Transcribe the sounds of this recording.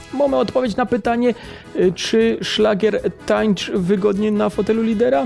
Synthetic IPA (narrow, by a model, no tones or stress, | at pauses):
mamɘɔt̪pɔvʲjet͡ɕnapɘt̪aɲɛ | t͡ʂɘʂlaɡʲɛɾt̪aɲt͡ʂvɘɡɔd̪ɲɛnafɔt̪ɛlulʲid̪ɛɾa